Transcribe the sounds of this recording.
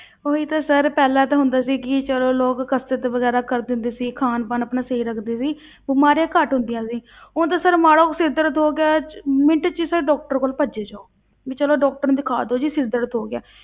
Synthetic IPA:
oːiːt̪ãːsəɾpɛːlãːt̪ãːɦʊnd̪aːsiːkɪt͡ʃəloːloːkːəst̪eːt̪eʋəɡɛːɾaːkəɾd̪ɪʊnd̪eːsiːkʰaːnpənəpnaːseiɾəkʰd̪eːsiː | bɪmaːɾjãːkəʈɦʊ̃nd̪ɪjãːsiː | ʊt̪ãːsəɾmaːɽoːksɪɾd̪əɾt̪ɦoːɡɪaːmɪɳʈt͡ʃisaɖɔːk̚ʈəɾkoːlpəd͡ʒeːd͡ʒaːoː | ʋiːt͡ʃəloːɖɔːk̚ʈəɾd̪ɪkʰa̰ːd̪oːd͡ʒiːsɪɾd̪əɾt̪ɦoːɡɪja̰ː

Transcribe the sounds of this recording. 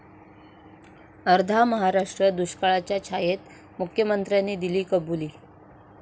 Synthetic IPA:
əɾd̪ʱaməɦaɾaʂʈɾəd̪uɕkaɭat͡ɕjat͡ɕʰajet̪ | mukʰjəmənt̪ɾjanːiːd̪iliːkəbuliː

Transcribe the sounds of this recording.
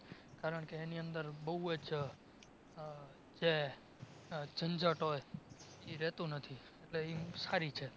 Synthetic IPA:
kaɾəɳkeːniənd̪əɾbəɦuəd͡ʒ | d͡ʒe | d͡ʒənd͡ʒəʈɦojiɾɛt̪ũnət̪ʰi | eʈleisaɾit͡ʃʰe

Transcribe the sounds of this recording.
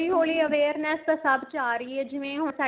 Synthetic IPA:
iːɦoːliːəʋeːɾnɛːst̪əsəbd͡ʒaːɾiːɛːd͡ʒɪʋẽːɦʊsɛ

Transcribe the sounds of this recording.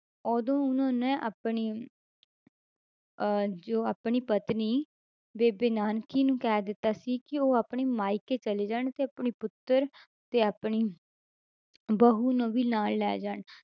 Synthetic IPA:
ɔːd̪õːʊnãːnẽːʔapɳiː | d͡ʒoːaːpɳiːpət̪niː | beːbɪːnaːnkiːnũːkɛːd̪ɪt̪ːaːsiːkɪoːaːpɳeːmaːɪkeːt͡ʃəleːd͡ʒaːɳt̪eːapɳiːpʊt̪ːəɾ | t̪eːaːpɳiː | bəɦuːnõːʋiːnaːlːɛ̰ːd͡ʒaːɳ

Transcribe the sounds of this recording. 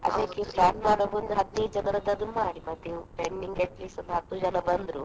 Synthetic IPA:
ɐ̰d̪ɐkːepɾaːnmaːɽoːmund̪uɦɐt̪ːiːd͡ʒɐnɐɾɐd̪ɐd̪umaːɽibɐt̪ipeɳɖiŋɡeʈlisɐnd̪ɦɐt̪ːud͡ʒɐnɐbɐnd̪ɾu

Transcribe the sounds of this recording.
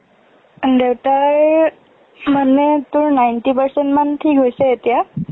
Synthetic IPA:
d̪ewʈaɾ | mənːet̪uɾnajnʈipəɾseɳʈmanʈʰiːkɦojseet̪ja

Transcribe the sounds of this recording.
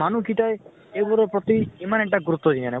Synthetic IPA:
manukʰiʈae | ebɔɾɔpɾɔt̪iimaneɳʈaɡɾut̪ːɔd͡ʒinanɛ

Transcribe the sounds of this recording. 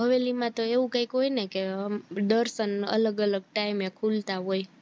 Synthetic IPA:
ɦəʋelimãt̪oeʋũkaikɦojnekeɖəɾsənə̰ləɡələɡ̚ʈaimekʰult̪aɦoj

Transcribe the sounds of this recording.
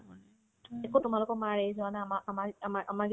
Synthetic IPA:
ɛkotʊmalʊkɔmaɹejzʊanaamaʔamaamaʔamaɡ

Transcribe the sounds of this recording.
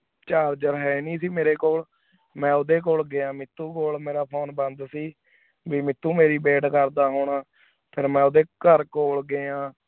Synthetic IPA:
t͡ʃaːɾd͡ʒəɾɦɛːnĩːsiːmeːɾeːkoːl | mɛ̃ːʊd̪eːk̬oːlɡeːãːmɪt̪ːuːkoːlmeːɾaːpʰoːnbənd̪siː | biːmɪt̪ːuːmeːɾiːbeːʈkəɾd̪aːɦoːɳaː | pʰɪɾmɛ̃ːʊd̪eːkəɾkoːlɡeːãː

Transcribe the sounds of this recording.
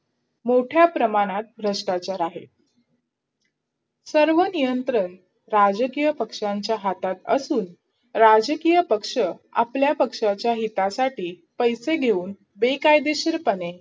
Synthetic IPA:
moʈʰjapɾəmaɽ̃at̪̚bʱɾəʂʈat͡ɕaɾaɦḛ | səɾʋənijənt̪ɾəɳ | ɾad͡ʑəkijəpəkʂaɲt͡ɕjaɦat̪at̪ə̰suːn | ɾad͡ʑəkijəpəkʂəa̰pljapəkʂat͡ɕjaɦit̪asaʈiː | pəjseɡʱeuːn | bekajd̪eɕəɾpəne

